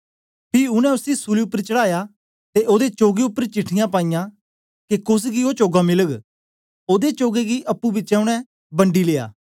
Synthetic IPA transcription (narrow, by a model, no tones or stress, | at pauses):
pʰiʊnɛ̃ʊsisuliʊpːəɾt͡ʃɐɽaːja | t̪eʔoːd̪et͡ʃoːɡeʊpːəɾt͡ʃɪʈʰɪjãpaːɪːjã | kekʊs̬ɡioːt͡ʃoːɡamɪləɡ | oːd̪et͡ʃoːɡeɡiʔɐpːubɪt͡ʃɛʊɽ̃ɛ̃ | bɐ̃ɳɖileːa̰ː